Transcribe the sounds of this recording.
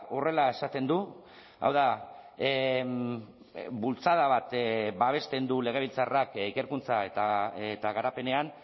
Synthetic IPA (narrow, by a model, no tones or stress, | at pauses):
ore̞lae̞sat̪e̞nd̪u | a̰wða | bult͡saðaβ̞at̪baβ̞e̞st̪e̞nd̪ule̞ɣ̞e̞β̞ilt͡sarakike̞ɾkunt͡saet̪aet̪aɣaɾape̞ne̞an